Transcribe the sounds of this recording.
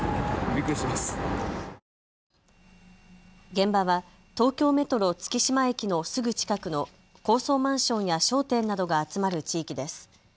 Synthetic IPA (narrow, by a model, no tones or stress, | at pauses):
ɾʲikɯɕimasɨ̥ | ɡẽ̞mbaβa | t̪o̞ːkʲo̞ːme̞t̪o̞ɾo̞t͡sɨ̥kʲiɕimae̞kʲino̞sɨɡɯ̟t͡ɕi̥kakɯ̟no̞ | ko̞ːso̞ːmãɰ̃ɕõ̞ɰ̃jaɕo̞ːt̪ẽ̞nːad̪o̞ɡaːt͡sɨmaɾɯ̟t͡ɕiːkʲid̪e̞sɨ̥